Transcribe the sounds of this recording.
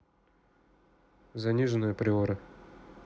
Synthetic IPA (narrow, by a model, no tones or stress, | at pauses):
zɐnʲiʐɨnəjəpɾʲɪoɾə